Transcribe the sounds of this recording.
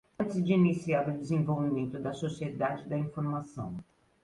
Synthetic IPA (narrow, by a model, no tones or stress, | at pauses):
t͡ʃɪzd͡ʒɪinisiaɾʊd̪ɪzẽvowvimẽnt̪ʊd̪ɐsosied̪ad͡ʒɪd̪ɐĩfoɾmasɐ̰̃w̃